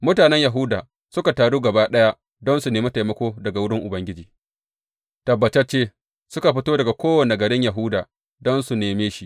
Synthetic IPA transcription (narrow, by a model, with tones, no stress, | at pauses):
mʊ˦taː˨nɛ˦ɲja˨ɦʊ˦daː˨ | sʊ˦ka˨taː˨ɽuː˦ɡɐ˨baː˦ɗɐ˦ja˦ | dɔ˦nsu˨neː˨ma˦ta˨jmɐ˦kʷoː˦dɐ˨ɡa˨wʊ˦ɽɪ˦ŋʔʊ˨bɐ˦ŋɡʲɪ˦d͡ʒiː˨ | tɐ˨bːɐ˨t͡ʃɛ˦t͡ʃeː˦ | sʊ˦ka˨ɸɪ˦toː˦dɐ˨ɡa˨kʷoː˦wɐ˨ne˨ɡɐ˨ɽɪ˦ɲja˨ɦʊ˦daː˨ | dɔ˦nsu˨neː˨meː˦ʃi˦ʔ